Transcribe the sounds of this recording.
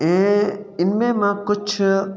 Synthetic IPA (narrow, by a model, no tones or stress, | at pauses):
ẽːɪnmẽːmãkʊt͡ʃʰ